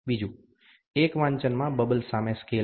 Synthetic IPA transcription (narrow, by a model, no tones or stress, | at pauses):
bid͡ʒu | ekʋãɲt͡ʃənmãbəbəlsamẽske